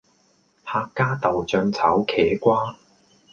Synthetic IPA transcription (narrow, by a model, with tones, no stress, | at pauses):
haː˧kːaː˥t̪ɐ˨wt͡ʃœː˧ŋt͡sʰɐ˨˥wkʰɛː˨˥kʷaː˥